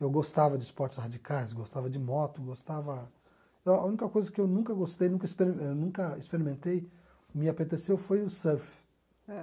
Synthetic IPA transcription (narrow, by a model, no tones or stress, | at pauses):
ewɡost̪avɐd͡ʒɪspɔɾt͡ʃɪ̥shad͡ʒikajsɡost̪avɐd͡ʒɪmɔt̪ʊɡost̪avɐ | eaũnikɐkojzɐkɪewnũkɐɡost̪ejnũkɐispeɾienũkɐispeɾimẽnt̪ej | mɪapet̪esewfojʊsɛɾf | ɛ